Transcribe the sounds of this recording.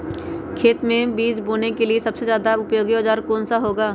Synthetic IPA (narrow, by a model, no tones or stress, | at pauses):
kʰeːt̪mẽbiːd͡ʒbuːnekeliesɐbsezjaːd̪aʊpjoːɡioːd͡ʒaːɾkoːnsaɦoːɡaː